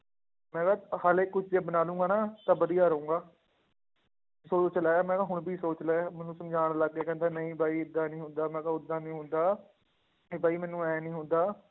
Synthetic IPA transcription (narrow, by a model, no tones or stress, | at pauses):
mɛ̃ːɡaːhaːleːkʊt͡ʃʰd͡ʒeːbənaːlũːɡaːnaːt̪ãːbəd̪ijaːɾəũːŋɡaː | soːt͡ʃlaːmɛ̃ːkãːɦʊɽ̃bʱiːsoːt͡ʃlɛːmɛ̃ːnũːsəmd͡ʒaːɽ̃ləɡkeːkɛ̃ːnd̪aːnəĩːbʱaːiːɪd̪ːaːnĩːɦʊ̃nd̪aːmɛ̃ːkaːʊd̪ːaːnĩːɦʊ̃nd̪aː | eːbʱaːiːmɛ̃ːnũːɛːnĩːɦʊnd̪aː